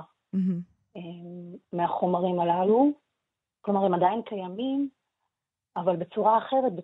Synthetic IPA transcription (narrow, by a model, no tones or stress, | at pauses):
emːeaχo̞maʁimalalu | klo̞maʁemad̪ajinkajamim | avalbe̞t͡suʁaaχe̞ʁet̪̚be